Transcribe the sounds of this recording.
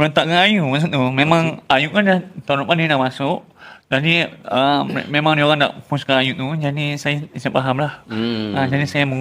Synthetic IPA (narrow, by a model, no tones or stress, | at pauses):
pəɾənt̪aʔkanajuʔmas̬uʔt̪umemãŋajuʔ̚kandat̪aɾuʔkaninaʔmasʊʔ | d͡ʒadiəmemaŋdioɣaŋda̰ʔpuskanajuʔt̪ud͡ʒadisajaisipaɦamlahəd͡ʒadisajamə